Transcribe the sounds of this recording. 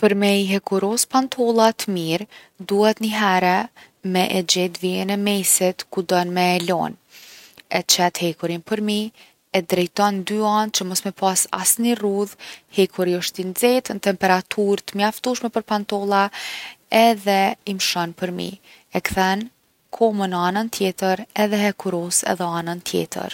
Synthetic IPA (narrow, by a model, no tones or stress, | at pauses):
pəɾmɛiɦɛkuɾɔspant̪ʰɔlˠat̪əmiɾ | d̪uhɛt̪nəɦɛɾɛ | mɛʔɛd͡ʑɛt̪viɛnɛmɛsit̪kud̪ɔnmɛːlɔ̰n | ɛ̰t͡ʃɛt̪hɛkuɾinpəɾmi | ɛd̪ɾɛjt̪ɔnd̪yan̚t͡ʃəmɔsmɛpʰɑsa̰sniruðhɛkʰuɾiɔʃt̪inzɛt̪ənt̪ɛmpɛɾat̪ʰuɾt̪əmjaft̪uʃmɛpəɾpant̪ɔlˠa | ɛðɛimʃɔnpəɾmḭ | ɛkθɛn | kʰɔmənanənt̪ʰjɛt̪əɾɛðɛɦɛkʰuɾɔsɛ̰ðɛanənt̪ʰjɛ̰t̪ə̰ɾ